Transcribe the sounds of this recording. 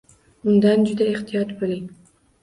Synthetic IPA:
ʊnd̪and͡ʒʊd̪aeχt̪ɪjɑt̪boliŋ

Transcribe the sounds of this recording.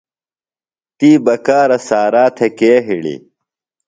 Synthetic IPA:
t̪iːbɐkaːɾɐsaːɾaːt̪ʰekeːɦiɽḭ

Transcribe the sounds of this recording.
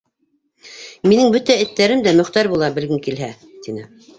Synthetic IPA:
minɘŋbɵt̪æɘ̆t̪ːæɾɘmd̪æmɵ̆χt̪ɑɾbulˠɑbɘ̆lɡɘŋkilɦæ | t̪inɘ

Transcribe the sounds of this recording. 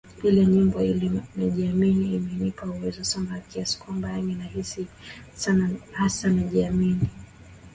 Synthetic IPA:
ilɛɲimbɔilimɛʄiaminiːmɛnipauwɛzɔsambakiasi̥kwambaaminahisisanahasanaʄiamini

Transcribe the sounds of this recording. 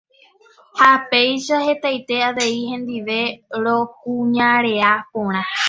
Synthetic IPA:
hape̞jʃahe̞t̪ajt̪e̞aʋe̞ihẽ̞nd̪iʋe̞ɾokũɲãɾe̞apõɾ̃ã

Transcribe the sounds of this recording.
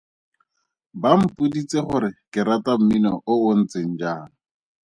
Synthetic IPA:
bam̩pudit͡seχʊɾɪkɪɾatam̩minɔʔoʊn̩t͡sen̩d͡ʒaːŋ̩

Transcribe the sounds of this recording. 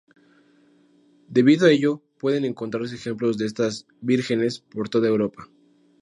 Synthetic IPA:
d̪e̞βiðoae̞ʝo̞pwe̞ðe̞ne̞ŋko̞nt̪ɾaɾs̬e̞ːxe̞mplo̞zðe̞est̪az | βiɾxe̞ne̞spo̞ɾt̪o̞ðaewɾo̞pa

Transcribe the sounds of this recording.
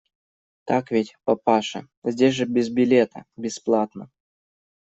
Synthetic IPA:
t̪akvʲetʲpɐpaʂɨ̰ | zʲdʲesʲʐɨbʲɪzbʲɪlʲet̪ə̰bʲɪsplˠat̪nə

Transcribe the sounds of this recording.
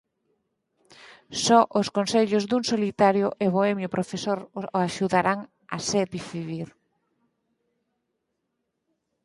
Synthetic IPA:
sɔʔʊskonseʎozd̪uŋsolit̪aɾjʊʔeβoɛmjʊpɾofesoɾaʃuðaɾaŋ | a̰sɛpifiβiɾ

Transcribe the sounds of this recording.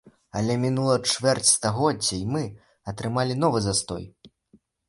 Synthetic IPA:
ɐ̰lʲɛmʲinulˠɐt͡ʂvʲɛrt͡sʲst̪aɣɔdd͡zʲɐjmɨ | ɐt̪ɾɨmalʲinɔvɨzast̪ɔ̰j

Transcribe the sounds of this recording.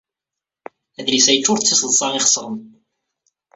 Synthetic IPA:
æðlisæjət͡ʃːʊɾt͡sːisəðˤsˤɑʁiχsˤəʁˤəm

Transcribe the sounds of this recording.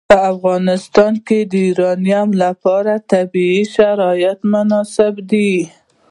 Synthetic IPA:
pəafɣɑnɪst̪ɑnked̪əiɾɑnjamlapɑɾat̪abiiʃaɾɑjat̪mʊnɑsɪbd̪i

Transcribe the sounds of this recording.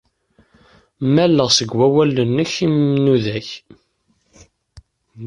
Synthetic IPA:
mælːəʁsəɡwæwælənːəçimnuðæç

